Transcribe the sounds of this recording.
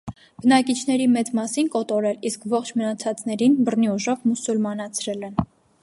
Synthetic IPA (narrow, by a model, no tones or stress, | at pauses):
b̥ənɑkit͡ʃʰn̪ɛɾimɛt͡smɑsinkɔt̪ɔɾɛliskvɔχt͡ʃʰmənɑt͡sʰɑt͡sn̪ɛɾinbərniuʒɔvmusulmɑnɑt͡sʰɾɛlɛn